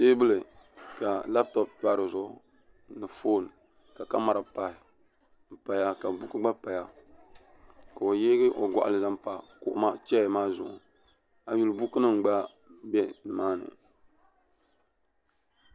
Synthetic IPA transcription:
seː˦bɨ˦lɨ˨ka˨la˦b̚tɔ˦ppa˦ɾɨ˨zʊ˨ | nɨ˨fo˦n | ka˨ka˦ma˨ɾa˨pa˨hɪ˨ | m̩˨pa˨ja˦ka˨bu˦kɨ˦ɡ͡ba˦pa˨ja˦ | ka˨o˨jeː˦ɡɨ˦ʔo˨ɡʷɔ̰˨ʔa̰˨lɨ˨za˦m˦pa˨kʊ̰˨ʔʊ̰˦ma˦t͡ʃɛ˦˨maː˦zʊ˨ʔ | a˨ju˦lbu˦kɨ˦nɨ˦m̩˨ɡ͡ba˦ | bɛ˦nɨ˨maː˦nɨ̰˨

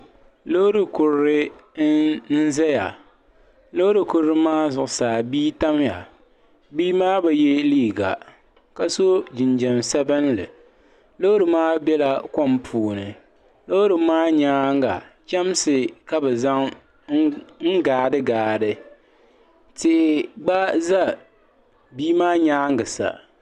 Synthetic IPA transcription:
lo˦ɾɨ˨kʊ˨ɾɾɨ˦ | n̩˦zɛ˦ja̰˨ | lo˦ɾɨ˨kʊ˨ɾɾɨ˦maː˦zʊ˨ʔʊ˨saː˨biː˦ta˦mja˨ | biː˦maː˦bɛ˨jɛ˦liː˦˨ɡa̰˨ | ka˨so˦d͡ʒɪ˨nd͡ʒɛ˨msɛ˦bɨ˦n˦lɨ̰˨ | lo˦ɾɨ˨maː˦bɛ˦la˨ko˦mpʰuː˨nɨ˨ | lo˦ɾɨ˨maː˦ɲaː˦ŋ˦ɡa˨ | t͡ʃɛ˦m˦sɨ˨ka˦bɛ˨za˦ŋ | ŋ̩˦ɡaː˨dɨ˦ɡaː˨dɨ˨ | tɪ˨ʔɪ˨ɡ͡ba˦za˦ | biː˦maː˦ɲaː˦ŋ˦ɡɨ˨sa̰˨

